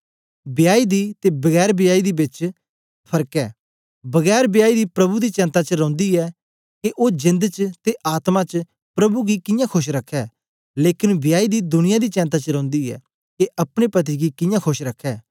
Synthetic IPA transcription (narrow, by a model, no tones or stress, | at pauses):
bɪjaːid̪iːt̪ebəɡɛːɾbɪjaːid̪iːbɪt͡ʃ | pʰɐɾkɛː | bɐɡɛːɾbjaːid̪iːpɾɐbud̪iːt͡ʃɛ̃ːnt̪at͡ʃəɾɔ̃ːnd̪iːɛː | keʔoːd͡ʒɪ̃nd̪t͡ʃt̪eʔaːt̪mat͡ʃ | pɾɐbuɡikɪ̃jãːkʰʊʃɾɐkʰːɛː | leːkɪnbɪjaːid̪iːd̪ʊnɪjãːd̪iːt͡ʃɛ̃ːnt̪̬aːt͡ʃɾɐ̃ːnd̪iːɛ̰ː | keʔɐpɽ̃epɐt̪̬iɡikɪ̃jãːkʰʊʃɾɐkʰːɛː